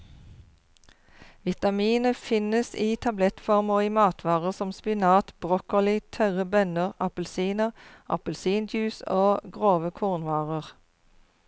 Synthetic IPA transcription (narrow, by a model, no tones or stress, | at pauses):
ʋɪt̪ɑmiːnəfɪnəsiːt̪ʰɑblɛt̪fɔʁmoːiːmɑːt̪ʰʋɑːʁəʁsɔmspɪnɑːt̪b̥ʁokəʁlɪt̪ʰœʁəbœnəʁɑpəlsiːnəʁʔɑ̰pəlsiːnd̪jʉːsoːɡʁoːʋəkʰuːʁnʋɑːʁəʁ